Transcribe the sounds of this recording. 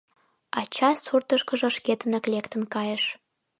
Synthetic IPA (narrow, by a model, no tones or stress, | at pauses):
ɑt͡ɕɑsurt̪əʃkəʒə̆ʃket̪ənəklekt̪ənkɑjəʃ